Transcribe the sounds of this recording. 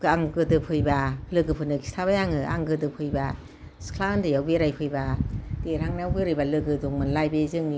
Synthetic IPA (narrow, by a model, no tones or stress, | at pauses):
ɡɯaŋɡɯdɯpʰɯjbalɯɡɯpʰɯnɯkʰi̥stʰaβajaŋɯa̰ŋɡɯdɯpʰɯjba | skʰlandɯjawbeɾajpʰɯjbad̥eɾhaŋnajawɡeɾɯjbalɯɡɯduŋmɯnlajbezɯŋi